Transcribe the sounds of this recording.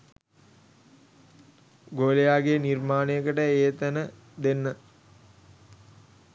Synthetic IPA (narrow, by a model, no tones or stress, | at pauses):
ɡoːlejaːɡenirmaːnejəkəʈəeːt̪ænə | d̪enːə